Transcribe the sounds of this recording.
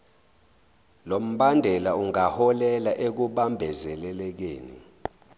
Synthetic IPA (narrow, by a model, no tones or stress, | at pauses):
lom̩ɓandʱɛlauŋahɔlɛlaʔek̬uɓambʱɛzɛlɛlɛk̬eːnḭ